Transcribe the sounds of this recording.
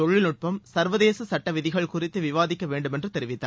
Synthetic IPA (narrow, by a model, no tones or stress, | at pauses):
ɔɻːɪlnʊʈ̚pɐmsɐɾʋɐðeːsɐsɐʈːɐʋɪðɪɣɐɭkʊrɪt̪ːɯʋɪʋaːðɪkːɐʋeːɳɖɯmɛndrɯt̪ɛɾɪʋɪt̪ːa̰